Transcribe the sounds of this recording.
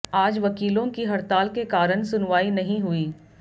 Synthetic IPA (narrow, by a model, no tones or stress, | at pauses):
aːd͡ʒʋɐkiːlõkiɦɐɾt̪aːlkekaːɾənsʊnʋaːinɐɦĩɦʊiː